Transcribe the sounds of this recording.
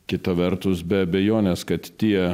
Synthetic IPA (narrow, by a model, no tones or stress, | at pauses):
kʲɪt̪ɐʋʲɛrt̪ʊsbʲɛɐbʲɛjoːnʲɛskɐt̪t̪ʲiɛ